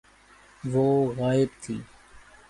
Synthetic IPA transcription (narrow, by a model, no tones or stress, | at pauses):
ʋoːɣaːɪbt̪ʰḭː